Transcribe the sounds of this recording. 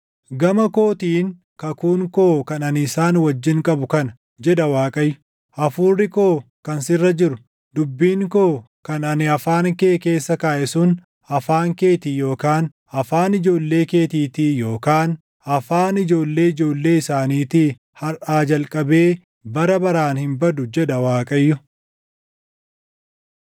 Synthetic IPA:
ɡɐmɐko̞ːt̪iːŋ | kɐkuːŋko̞ːkɐnɐnɪɪsaːnwɐd͡ʒːɪŋkʼɐbʊkɐn | d͡ʒɛd̪ɐwaːkʼɐj | ʔɐfuːrːɪko̞ː | kɐnsɪrːɐd͡ʒɪɾʊ | d̪ʊbːiːŋko̞ː | kɐnɐnɪɐfaːnkeːke̞ːsːɐkaːʔɛsʊn | ɐfaːŋke̞ːt̪iːjo̞ːkaːn | ɐfaːnɪd͡ʒo̞ːlːe̞ːke̞ːt̪iːt̪ijo̞ːkaːn | ɐfaːnɪd͡ʒo̞ːlːe̞ːɪd͡ʒo̞ːlːe̞ːɪsaːniːt̪ɪ | hɐɾʔaːd͡ʒɐlkʼɐbe̞ː | bɐɾɐbɐɾaːnhɪmbɐd̪ʊd͡ʒɛd̪ɐwaːkʼɐjːʊ

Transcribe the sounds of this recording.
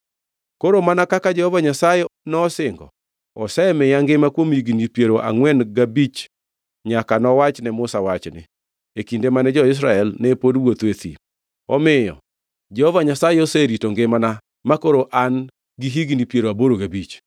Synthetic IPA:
koɾomanakakad͡ʒɛhɔvaɲasajenɔsɪŋɡɔ̰ | ɔsɛmɪjaŋɡɪmakwomiɡinipjeɾoʔa̰ŋwɛnɡabit͡ʃ | ɲakanɔwat͡ʃnɛmʊsawat͡ʃnɪ̰ | ekindemanɛd͡ʒɔɪs̬ɾaɛlnɛpodwot̪wet̪ḭ | ɔmɪjɔ̰ | d͡ʒɛhɔvaɲasajeoseɾitoŋɡemana | makoɾoʔan | ɡiɦiɡinipjeɾoaboɾoɡabit͡ʃ

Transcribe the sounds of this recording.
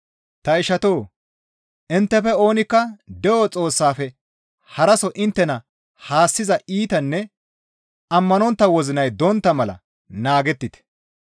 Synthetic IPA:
t̪ɐɪʃɐt̪o̞ː | ʔɪnt̪ːɛfɛo̞ːnɪkːɐd̪ɛʔot͡sʼo̞ːsːaːfɛ | hɐɾɐsɔʔɪnt̪ːɛnɐ | haːsːɪzɐiːt̪ɐnːɛ | ɐmːɐnɔnt̪ːɐwɔzɪnɐjd̪ɔnt̪ːɐmɐlɐ̰ | naːɡɛt̪ːɪt̪ɛ̥

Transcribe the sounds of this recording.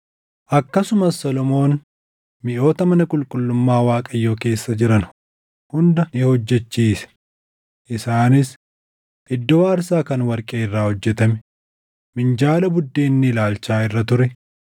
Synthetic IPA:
ʔɐkːɐsʊmɐsːɔlɔmo̞ːn | mɪʔo̞ːt̪ɐmɐnɐkʼʊlkʼʊlːʊmːaːwaːkʼɐjːoːke̞ːsːɐd͡ʒɪɾɐnʊ | hʊnd̪ɐnɪhɔd͡ʒːɛt͡ʃːiːsɛ̥ | ʔɪsaːnɪs | ɪd̪ːoːɐɾsaːkɐnwɐɾkʼeːɪrːaːhɔd͡ʒːɛt̪ɐmɛ | mɪnd͡ʒaːlɐbʊd̪ːeːnːɪlaːlt͡ʃaːɪrːɐt̪ʊɾɛ

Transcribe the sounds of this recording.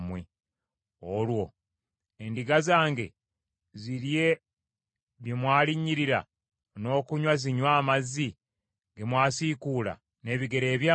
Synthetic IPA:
mwe | olwo̞ | endiɡazaːŋɡe̞̰ | ziɾje̞ | βjemwaːliɲːiɾiɾa̰ | no̞ːkuɲwaziɲwaːmazːi | ɡemwaːsikuːla̰ | ne̞ːβiɡe̞ɾe̞ːβjaː

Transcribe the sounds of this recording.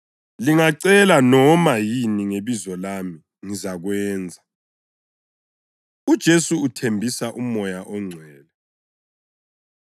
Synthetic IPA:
liŋaǀɛlanɔmajiniŋeβizɔlaːmi | ŋizaɣwɛːnd͡zʱa | ud̥ʒ̥ʱesuːtʰembʱisaʔumɔjaʔɔŋ͡ǀʱwɛːlɛ

